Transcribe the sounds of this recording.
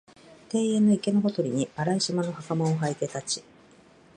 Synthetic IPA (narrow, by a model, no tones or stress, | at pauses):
t̪e̞ːe̞nːo̞ike̞noɦo̞t̪o̞ɾʲiɲ̟iaɾaiɕimano̞hakamõoɦait̪e̞t̪at͡ɕi̥